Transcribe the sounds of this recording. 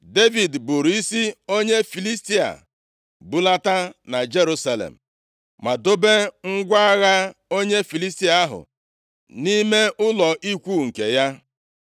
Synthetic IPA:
de˦vi˨dbu˨ɾi˦si˦o˦ɲe˦fi˨li˦sti˦a̰˨ | bu˨˦la˦ta˦na˨d͡ʒe˦ɾu˦sa˦lḛ˨m̩˨ | ma˨do˦be˦ŋ̩˦ɡʷa˦a˦ɣa˦o˦ɲe˦fi˨li˦sti˦a˨˦ɦʊ̰˨ | ni˦me˦ʊ˦lɔ˨ʔi˦kʷu˦˨ŋ̩˨ke˨ja˦

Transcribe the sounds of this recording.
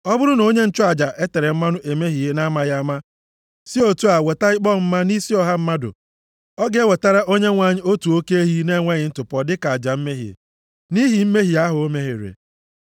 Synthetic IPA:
ɔ˦bʊ˦ɾʊ˦no˦ɲe˦n̩˦t͡ʃʊ˦a˨d͡ʒa˨ʔe˦te˨ɾe˨m̩˦ma˦nʊ˦ʔe˨me˦ɦi˨e˦na˦ma˦ja˦ma˦ | si˦o˨tu˦a˨we˨ta˦ɪ˦k͡pɔ˦˨m̩˦ma˦ni˦si˦ɔ˦ɦa˦m̩˦ma˦dʊ̰˨ | ɔ˦ɡe˦we˨ta˦ɾa˦ʔo˦ɲe˦ŋʷa˨ɲɪ˦o˦tu˨o˦ke˦e˦ɦi˦ne˦ŋʷe˦ɲɪ˨n̩˦tʊ˨pɔ˨dɪ˦ka˨a˨d͡ʒa˨m̩˦me˦ɦḛ˨ | ni˦ɦi˨m̩˦me˦ɦi˨a˦ɦʊ˨o˦me˦ɦḛ˨ɾḛ˨

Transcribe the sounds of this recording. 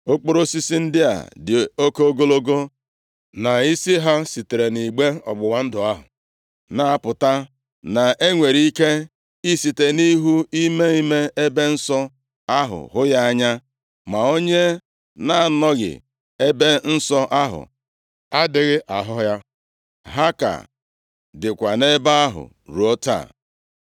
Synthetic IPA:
o˦k͡po˦ɾo˦si˦si˦n̩˦dɪ˦a̰˨dɪ˨o˦ko˦o˦ɡo˦lo˦ɡo˦ | na˨i˦si˦ɦa˦si˨te˨ɾe˨ni˨ɡ͡be˦ɔ̰˨ɡ͡bʊ˨wa˨n̩˦dʊ˨a˦ɦʊ̰˨ | na˨a˨pʊ˨ta˦ | na˨e˦ŋʷe˨ɾi˦i˦ke˦ | i˦si˨te˨ni˦ɦu˦i˦me˦i˦me˦e˦be˦n̩˦sɔ˦ | a˦ɦʊ̰˨ɦʊ˦ja˦a˦ɲa˦ | ma˨o˦ɲe˦ | na˨a˨nɔ˦ɣɪ̰˨ | e˦be˦n̩˦sɔ˦ʔa˦ɦʊ̰˨ | a˦dɪ˨ɣɪ˦ʔa˨ɦɔ˦ja˦ | ɦa˦ka̰˨ | dɪ˨kʷa˨ne˦ba˦ɦʊ̰˨ | ɾu˨o˦ta̰˦˨

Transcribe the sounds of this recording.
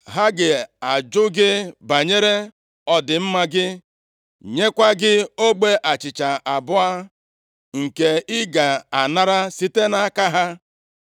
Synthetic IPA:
ɦa˦ɡɪ˨a˨d͡ʒʊ˦ɡɪ˦ba˨ɲe˦ɾe˦ | ɔ˦dɪ˨m̩˦ma˦ɡɪ˦ | ɲe˦kʷa˦ɡɪ˦o˦ɡ͡be˦ʔa˨t͡ʃɪ˨t͡ʃa˨ʔa˨bʊ˦a˦ | ŋ̩˨ke˨ɪ˦ɡa˨a˨na˦ɾa˦si˦te˦na˦ka˦ɦa˦

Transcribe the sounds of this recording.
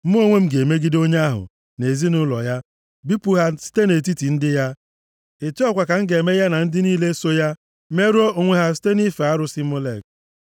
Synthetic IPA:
m̩˦mu˦o˦ŋʷe˦m̩˦ɡe˨me˦ɡi˦do˦ɲe˦a˦ɦʊ̰˨ | ne˨zi˦nʊ˦lɔ̰˨ja˦ | bi˦pu˦ɦa˦si̥˦te˦ne˨t̬i˦ti˨n̩˦dɪ˦ja˦ | e˨ti˦ɔ˦kʷa˨ka˨ŋ̩˦ɡe˨me˦ja˦na˨n̩˦dɪ˦niː˦le˦so˦ja˦ | me˦ɾo˦o˨ŋʷe˦ɦa˦s̬i̥˦te˦ni˦fa˨a˦ɾʊ˦si˦mo˦le˦˨k̚

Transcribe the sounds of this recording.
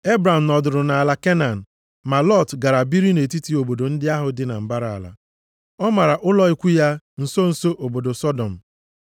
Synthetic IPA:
e˦bɾa˨m̩˨nɔ˨dʊ˨ɾʊ˨na˨a˨la˨ke˦na˨n̩˨ | ma˨lɔ˦˨tɡa˨ɾa˨bi˦ɾi˦ne˨ti˦ti˦o˨bo˨do˨n̩˦dɪ˦a˦ɦʊ˦dɪ˦na̰˨m̩˨ba˦ɾa˨a̰˨la̰˨ | ɔ˦ma˨ɾa˨ʔʊ˦lɔ˦i˦kʷu˦ja˦ | n̩˨so˦n̩˨so˦ʔo˨bo˨do˨sɔ˦dɔ˨m̩˨

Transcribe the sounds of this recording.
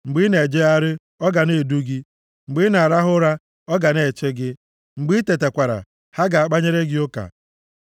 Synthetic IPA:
ŋ͡m̩˨ɡ͡bɪ˦ne˨d͡ʒe˦a˦ɾɪ˦ | ɔ˦ɡa˨ne˨du˦ɡi˦ | ŋ͡m̩˨ɡ͡bɪ˦na˨a˨ɾa˦ɦʊ˦ɾa˦ | ɔ˦ɡa˨ne˨t͡ʃe˦ɡɪ˦ | ŋ͡m̩˨ɡ͡bi˦te˨te˨kʷa˨ɾa̰˨ | ha˦ɡa˨a˨k͡pa˦ɲe˦ɾe˦ɡɪ˦o˦ka̰˨

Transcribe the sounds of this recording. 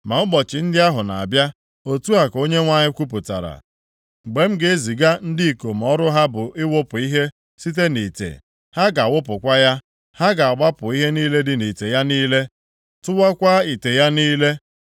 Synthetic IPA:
ma˨mʊ˦ɡ͡bɔ˨t͡ʃɪ˨n̩˦dɪ˦a˦ɦʊ˨na̰˨a˨bja˦ | o˨tu˦a˨ko˦ɲe˦ŋʷa˦ɲɪ˦kʷu˦p̬ʊ˨ta̰˨ɾa̰˨ | ɡ͡be˨m̩˦ɡe˦e˦zi˨ɡa˦n̩˦dɪ˦˨ko˨m̩˨ɔ˦ɾʊ˦ɦa˦bʊ˨ʔɪ˦wʊ˦pʊ˨i˦ɦe˦ | si˦t̬e˦ni˨tḛ˨ | ha˦ɡa˨wʊ˦p̬ʊ˨kʷa˦ja˦ | ha˦ɡa˨a˨ɡ͡ba˦pʊ˨i˦ɦe˦niː˦le˦dɪ˨ni˨te˨ja˦niː˦le˦ | tʊ˦wa˦kʷa˦i˨te˨ja˦niː˦le˦

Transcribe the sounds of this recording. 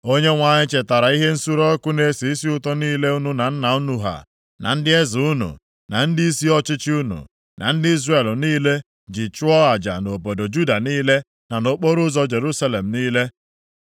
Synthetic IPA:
o˦ɲe˦ŋʷa˨ɲɪ˦t͡ʃe˨ta˨ɾa˨i˦ɦe˦n̩˦su˦ɾɔ˦kʊ˦ne˦si˨i˦si˦ʊ˦tɔ˦niː˦le˦u˦nu˦na˨n̩˦na˨u˦nu˦ɦa̰˨ | nʔa̰˨n̩˦dɪ˦e˦zu˦nṵ˨ | na̰˨n̩˦dɪ˦i˦si˦ɔ˦t͡ʃɪ˦t͡ʃɪ˦u˦nṵ˨ | na̰˨n̩˦dɪ˦i˦zre˨lniː˦le˦ | d͡ʒɪ˨t͡ʃʊ˦ɔ˦a˨d͡ʒa̰˨no˨po˨do˨d͡ʒu˦da˨niː˦le˦ | na˨no˨k͡po˦ɾʊ˦zɔ˦d͡ʒe˨ɾu˦sa˦le˨m̩˨niː˦le˦

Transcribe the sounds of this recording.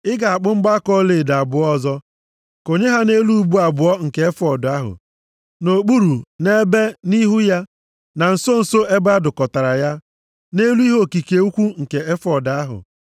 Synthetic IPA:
ɪ˦ɡa˨a˨k͡pʊ˦ŋ͡m̩˦ɡ͡ba˦kɔ˦le˨da˨bʊ˨ɔ˦˨zɔ˦ | ko˨ɲe˦ɦa˦ne˦lu˦bu˦a˨bʊ˨ɔ˦ŋ̩˨ke˨e˦fɔ˨da˦ɦʊ̰˨ | no˨k͡pu˦ɾu˨ne˦be˦ni˦ɦu˦ja˦ | na˨n̩˨so˦n̩˨so˦ʔe˦ba˦dʊ˨kɔ˨ta˨ɾa˨ja˦ | ne˦lu˦i˦ɦo˦˨ki˨ke˨˦u˦kʷu˦ŋ̩˨ke˨e˦fɔ˨da˦ɦʊ̰˨

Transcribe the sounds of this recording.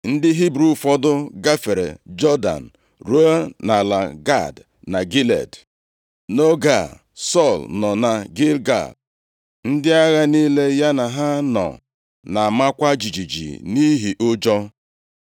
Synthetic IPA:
n̩˦dɪ˦ɦi˦bɾu˨fɔ˦dʊ˦ɡa˦fe˨ɾḛ˨d͡ʒɔ˦da̰˨n̩˨ | ɾu˦a˦na˨la˨ɡa˦˨d | na˨ɡi˦lḛ˨d | no˦ɡa˦˨ | sɔ˦˨lnɔ˨na˨ɡi˦lɡa̰˦˨d̚ | n̩˦dɪ˦a˦ɣa˦ni˦le˦ja˦na˨ɦa˦nɔ̰˨ | na˨ma˦kʷa˦d͡ʒi˨d͡ʒi˨d͡ʒḭ˨ni˦ɦi˨ʔo˦d͡ʒɔ˦

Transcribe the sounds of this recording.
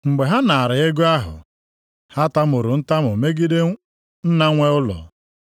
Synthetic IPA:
ŋ͡m̩˨ɡ͡be˨ɦa˦na˨a˨ɾɪ˨e˦ɡʊ˦a˦ɦʊ̰˨ | ha˦ta˦mʊ˨ɾʊ˨n̩˦ta˦mʊ˨me˦ɡi˦de˦ | n̩˦na˦ŋʷe˦ʊ˦lɔ̰˨

